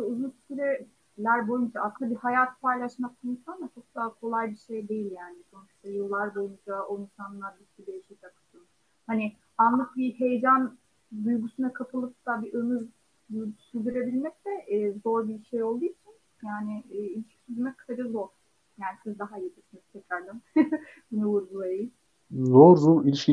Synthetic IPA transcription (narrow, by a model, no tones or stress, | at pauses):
ʃɛuzunssyɾɛ | lʲæɾbo̞jund͡ʒaʔːsɯnd̪abihajaːt̪ʰpʰajlˠaʃmak̚t̪ainsand̪at͡ʃʰo̞k̚d̪aɦakʰo̞lˠajbiʃe̞jd̪e̞jilʲjaːnisʰo̞nuʃt̪ʰajɯlˠːaɾd̪ojund͡ʒaoinsanlˠaɾbit̪cʲid̪ejeʃiakʰɯt̪ʰɯlˠ | hanɪ | anlˠakbihe̞jed͡ʒan | d̪ujɡusunakʰapʰɯlˠɯp̚t̪abiʔɯnɯz | syld̪yɾe̞bilʲmɛc̚t̪ɛʔːzo̞ɾbiʃe̞jo̞lˠd̪ujit͡ʃʰin | jaːnɪːilʲiʃkʲi̥syzymɛkʰaɾɯzo̞ɾ | jaːnisizd̪aɦajet̪ʰiʃinz̥t̪ʰɛcɾæɾd̪ɛmbunɛvuɾɡulˠajji | zoɾzuilʲiʃkʲi